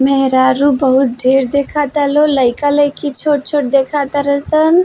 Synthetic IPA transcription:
meɦɾaɾubəɦut̪̚ɖʱeɾd̪ekʰat̪əloləɪkalejkit͡ʃʰoʈ̚t͡ʃʰoʈ̚d̪ekʰat̪əɾəsən

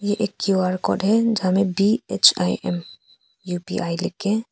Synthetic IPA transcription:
jeʔekːjuaːɾkɔ̰ːɖɦɛd͡ʒɦãmẽbiet͡ʃa̰iɛ̰m | jupḭʔaːilɪkːẽ

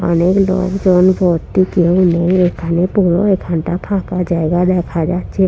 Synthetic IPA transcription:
ɔ̰neklo̰ɡd͡ʒɔnbʱɔt̪ikeʊneekʰanepuɾɔekʰanʈapʰãkad͡ʒaeɡad̪ɛkʰad͡ʒat̪t͡ʃʰe

